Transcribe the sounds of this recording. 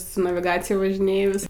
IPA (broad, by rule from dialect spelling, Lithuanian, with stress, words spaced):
sʊ nɐʋʲɪˈɡɑːt͡sʲɪjɛ ʋɐʒʲɪˈnʲeːjʊs